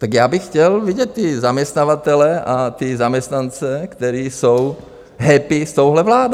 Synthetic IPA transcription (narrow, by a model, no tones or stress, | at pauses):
t̪aɡjaːbɪxxcɛlviɟɛt̪̚ːɪzamɲɛst̪navat̪ɛlɛat̪ɪzamɲɛst̪nant͡sɛkt̪ɛɾiːsow | ɦɛpɪst̪owɦlɛvlaːdo